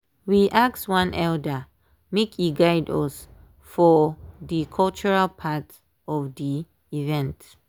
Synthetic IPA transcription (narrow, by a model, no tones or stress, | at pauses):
wiʔakswãnʔɛldə | mekʰiɡaɪdɔ̰s | fɔðikʰɔlt͡ʃɔɹalpʰat | ɔvdi | ivɛ̃nt